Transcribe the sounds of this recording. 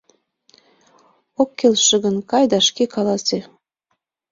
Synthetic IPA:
okːelʃə̆ɣə̆nkɑjd̪ɑʃkekɑlɑse

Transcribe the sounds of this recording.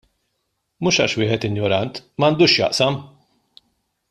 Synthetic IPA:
muːʃɐ̰ʃwɪːħɛt̪ɪnjɔɾɐnt̪mɐːnd̪uːʃjɐ̰ʔsɐm

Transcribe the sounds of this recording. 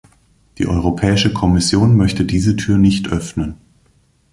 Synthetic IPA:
d̥ḭːʔɔʏʁ̞opʰɛːɪʃəkʰɔmɪsjoːnmœçtədiːzətʰyːɐnɪçtʔœfnən

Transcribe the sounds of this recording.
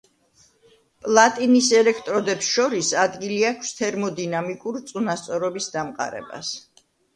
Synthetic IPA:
pʼlˠat̪ʼinisɛlɛkʰt̪ʼɾɔd̪ɛpsʃɔɾisad̪ɡiliakʰst̪ʰɛɾmɔd̪inamikʼuɾt̪sʼunast̪sʼɔɾɔbisd̪amqʼa̰ɾɛ̰ba̰s

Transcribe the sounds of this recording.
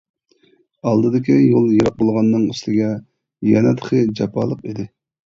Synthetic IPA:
ɑlˠd̪ɨd̪ɪkʲijolˠjɑɾɑq̚bolˠʁɑnːɨŋyslɪɡʲɛ | jɛnɛt̪ʰχʰəd͡ʒɑpʰɑːlˠəqid̪ɪ

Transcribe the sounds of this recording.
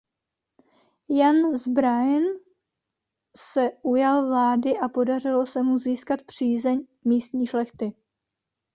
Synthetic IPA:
janzbɾajn | sɛʔujalvlaːdɪʔapo̞dar̝ɪlo̞sɛmuziːskat̪pr̝̥iːzɛɲ | miːst̪ɲiːʃlɛxt̪ɪ

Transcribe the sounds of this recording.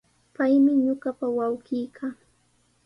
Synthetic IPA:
pajmɪɲʊɢapawawɢɪjkʰaː

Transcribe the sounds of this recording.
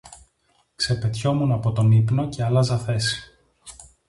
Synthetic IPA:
kse̞pe̞t̪ço̞munɐpo̞t̪o̞nipno̞ce̞ɐlɐzɐθe̞si̥

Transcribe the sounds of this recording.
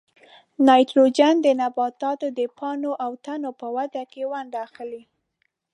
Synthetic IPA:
nɑjt̪lod͡ʒand̪ənabɑt̪ɑt̪od̪əpʰɑnoʔawt̪anopəwad̪akewand̪axəli

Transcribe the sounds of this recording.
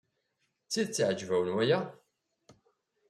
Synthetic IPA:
t͡sːiðt͡sːʕəd͡ʒːvæwənwæjæ

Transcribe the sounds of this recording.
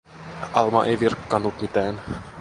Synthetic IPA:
ʔɑlmɑ̰ʔejʋirkːɑnːut̪mit̪æːn

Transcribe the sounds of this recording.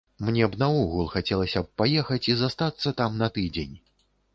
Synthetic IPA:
mnʲɛbnɐuɣulˠxat͡sʲɛlˠɐsʲɐp̚pajɛxɐt͡sʲizast̪at̪sːɐt̪amnɐt̪ɨd͡zʲenʲ

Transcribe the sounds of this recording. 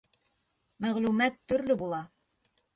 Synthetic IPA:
mæʁlʉmæt̪ːɵ̆ɾlɵbulˠɑ

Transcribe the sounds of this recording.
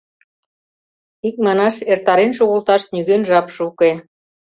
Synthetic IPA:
ik̚mɑnɑʃert̪ɑɾenʃoɣolt̪ɑʃt̪nyɣønʒɑpʃuke

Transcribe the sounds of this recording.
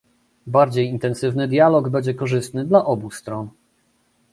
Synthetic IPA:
baɾd͡ʑejint̪ɛnsɘvnɘd̪ʲjalɔɡbɛɲd͡ʑɛkɔʐɘst̪nɘd̪laʔɔbust̪ɾɔn

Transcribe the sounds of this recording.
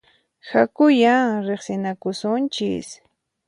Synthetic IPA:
hakʊjaŋɾeχsɪnakʊsʊnt͡ʃɪ̰s

